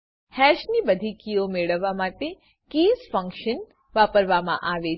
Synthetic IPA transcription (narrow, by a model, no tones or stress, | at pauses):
hɛʃnibəd̪ʱikiomeɭəʋːamaʈe | kiːzfəŋkʃən | ʋapəɾʋamã̰ʔaʋe